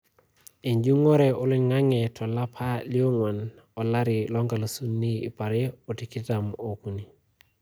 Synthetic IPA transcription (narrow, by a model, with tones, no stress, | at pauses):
e˨ɲd͡ʒu˦ŋɔ˦ɾɛ˨ʔo˦li˦ŋa˦ŋɛ˨tʰɔ˨la˦pʰa˦li˦o˦ŋwa˨n | ɔ˨la˦ɾɪ˨lɔ˦ŋɡa˨lo˨su˦nːḭː˦˨pa˨ɾɛ˦o˨ti˨kɪ˦ta˨mo˨ku˨ni˨